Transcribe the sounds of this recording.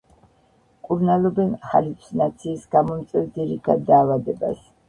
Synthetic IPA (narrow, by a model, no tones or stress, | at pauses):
kʼuɾnalɔbɛnχalipʰsnat̪sʰiːsɡamɔmt̪sʼwɛvd̪iɾit̪ʰad̪d̪ːaːvad̪ɛba̰s